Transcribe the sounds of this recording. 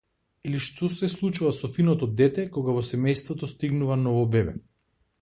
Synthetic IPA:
iliʃt̪ɔsɛslˠut͡ʃuvasɔfinɔt̪ɔd̪ɛt̪ɛkɔɡavɔsɛmɛjst̪vɔt̪ɔst̪iɡnuvanɔvɔbɛbɛ̰

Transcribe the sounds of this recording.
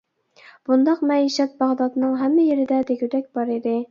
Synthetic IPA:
b̥und̪ɑqmɛiʃɛt̪̚bɑʁd̪ɑd̪nɨŋɦɛmːɪjeɾɪd̪ɛd̪eɡʲyd̪ɛk̚ʲbɑɾɨd̪ɨ

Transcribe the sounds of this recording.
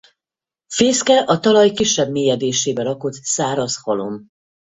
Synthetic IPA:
feːskɛʔɒt̪ɒlɒjkiʃːɛbmeːjɛd̪eːʃeːbɛɾɒko̞t̪saːɾɒshɒlo̞̰m

